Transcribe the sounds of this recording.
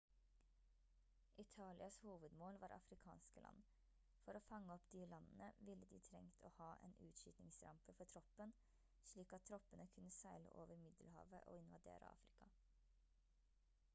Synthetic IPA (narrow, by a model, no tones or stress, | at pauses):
ʔɪt̪ʰɑːlɪɑshuːʋəd̪moːlʋɑːɾɑ̰fɾɪkʰɑ̰ːnskəlɑ̰nː | fɔɾoːfɑŋːəɔpd̪iːlɑnənəʋɪlːəd̪ḭːt̪ʰɾɛŋt̪ʰoːhɑːʔḛːnʔʉːt̪ʃyːt̪nɪŋsɾɑ̰mpəfɔʈʰɾɔpːən | ʃɭiːkɑt̪t̪ʰːɾɔpːənəkʰʉnːəsæɪlə̰ʔoːʋəɾmɪd̪əlhɑ̰ːʋə̰ʔo̰ːɪnʋɑd̪ḛːɾə̰ɑ̰ːfɾɪkʰɑ